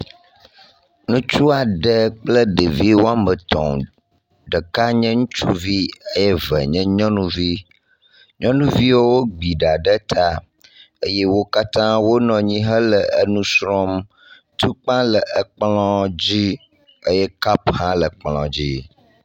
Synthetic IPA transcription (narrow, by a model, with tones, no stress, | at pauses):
nũ˦t͡ʃu˦a˨ɖə˦k͡plə˦ɖə˨vi˦wo˦a˦mə˨t̪ɔ̰̃˨m | ɖə˨ka˦ɲɛ̃˦ŋũ˦t͡ʃu˦vi˦ə˦je˦və̰˨ɲɛ̃˦ɲɔ̃˦nũ˦vi˦ | ɲɔ̃˦nũ˦vi˦wo˦wo˦ɡ͡bi˨ɖa˨ɖə˦t̪ʰa˦ | ə˦jɛ˦wo˦ka˦t̪ã˦wo˦nɔ̃˨ɲĩ˦ɦə˦lə˨ə˦nũ˦sɾɔ˦m | t̪u˦k͡pã˦lə˨ʔə˨k͡plɔ̃˦d͡ʑi˦ | ə˦jɛ˦ka˦phã˦lə˨k͡plɔ̰̃˨d͡ʑi˦